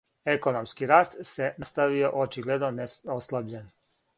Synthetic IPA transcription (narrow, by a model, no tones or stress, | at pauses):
e̞ko̞nomskiɾaːst̪senast̪aʋio̞ʔot͡ʃiɡled̪noneoslˠabʎen